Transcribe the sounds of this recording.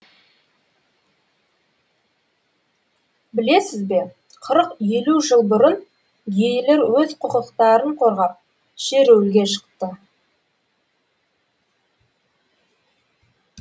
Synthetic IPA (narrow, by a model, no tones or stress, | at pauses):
bɪle̞sɪzbe̞ | qʰəɾəqje̞luʒəlˠbʊɾən | ɡejɪleɾwɵzqʰʊqəqt̪ɑɾəɴqʰo̞ɾʁɑp̚ | ʃe̞ɾɵwlɡʲe̞ʃə̥qt̪ə